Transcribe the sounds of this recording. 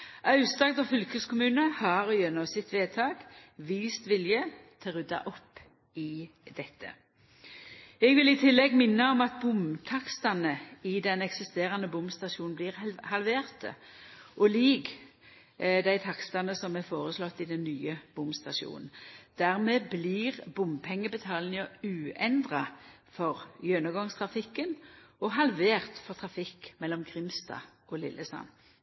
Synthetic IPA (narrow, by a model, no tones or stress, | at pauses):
ʔɑʉst̪ɑɡ̚d̪ɔfʏlkəskʰʊmʉːnəhɑʁjɛnːɔmsɪt̪ʋeːt̪ʰɑːɡʋiːst̪ʋɪljət̪ʰɛʁʉd̪ɑ̰ʔɔpː | ɪ | d̪ɛt̪ʰːə̰ | ɛɡʋɪlɪt̪ʰɪlːɛɡmɪnːəɔmɑt̪̚bʊmt̪ʰɑkst̪ɑnəɪd̪ɛnɛksɪst̪eːʁɑnəbʊmst̪ɑʃuːnn̩bliːʁhɑlʋeːʁt̪ə | ʔɔliɡ | d̪æɪt̪ʰɑkst̪ɑnəsɔmɛfoːʁəslɔt̪ːɪd̪ɛnːyːəb̥ʊmst̪ɑʃṵːnn̩d̪̥æʁmeːblɪʁbʊmpʰɛŋːəbət̪ʰɑːlnɪŋəʉːɛnd̪ʁɑ | fɔʁjønəɡɔŋst̪ʰʁɑfɪkːənɔɦɑlʋeːʁt̪fɔʁt̪ʰʁɑfɪkːmɛlːɔmkʰʁɪmst̪ɑ̰ɔlɪ̰lːəsɑ̰n